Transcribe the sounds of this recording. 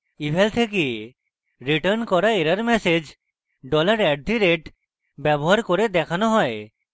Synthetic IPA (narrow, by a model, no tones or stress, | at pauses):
ibʱɛlt̪ʰeke | ɾiʈəɾnkɔɾaeɾaɾmɛsed͡ʑ | ɖɔlaɾɛɖ̚d̪ʱiɾeʈ | bɛboɦaɾkoɾed̪ɛkʰanoɦɔe